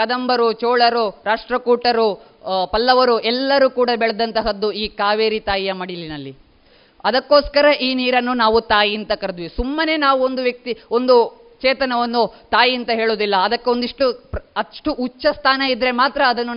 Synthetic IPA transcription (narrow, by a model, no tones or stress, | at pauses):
ɐd̪ɐmbɐɾut͡ʃoːɭɐɾuɾaːʂʈɾɐkuːʈɐɾu | pɐlːɐʋɐɾuɛlːɐɾuːkuːɽɐbɛɭɐd̪ɐnt̪ɐɦɐd̪ːuiːkaːʋeːɾit̪aːjijɐmɐɽilinɐlːi | ɐd̪ɐkːo̞ːskɐɾɐʔiːniːɾɐnːunaːʋut̪aːjiɐnt̪ɐkɐɾɐd̪ʋisumːɐne̞ːnaːʋuo̞nd̪uʋjɐk̚t̪io̞nd̪u | t͡ʃeːt̪ɐnɐʋɐnːut̪aːjiɐnt̪ɐɦeːɭoːd̪ilːɐːd̪ɐkːeond̪iʂʈupɐʂʈuʔːt͡ʃːɐst̪ʰaːnɐid̪ːɾe̞maːt̪ɾɐːd̪ɐnːu